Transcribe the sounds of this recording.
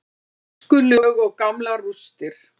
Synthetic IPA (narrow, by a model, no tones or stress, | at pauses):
kʏlʏɣɔɣkamlarust̪ɪɾ̥